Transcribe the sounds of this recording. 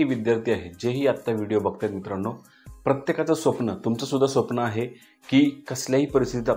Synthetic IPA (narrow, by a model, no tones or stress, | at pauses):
iːʋid̪jaɾt̪iːaɦed͡ʑeɦiːat̪ːaʋiɽijobək̚t̪jat̪mit̪ɾəɳːo | pɾət̪jekat͡səsʋəpnət̪umt͡səsud̪ʱːasʋəpnəaɦe | kiːkəsljaɦiːpəɾist̪it̪it̪a